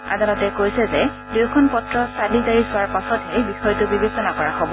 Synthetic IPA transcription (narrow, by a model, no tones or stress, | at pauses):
a̰dalɔtɛkojsɛzɛ | dujkʰɔnpɔtɹɔsadizaɹisʊwaɹpasɔtɦɛbixɔjɔtʊbibesɔnakɔɹaxɔbɔ